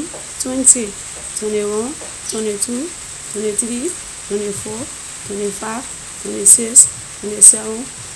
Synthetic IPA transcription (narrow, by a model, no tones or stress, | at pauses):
twɛ̃nte | twɔ̃newɔ̃ | twɔ̃netʰu | tɔ̃netɾi | twɔ̃nefo | twɔ̃nefa | twɔ̃neses | twɔ̃nesaɔ̃